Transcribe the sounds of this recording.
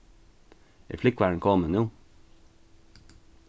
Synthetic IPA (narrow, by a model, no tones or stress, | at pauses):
ḭːflʏkʋæːɳ̩kʰɔmənuː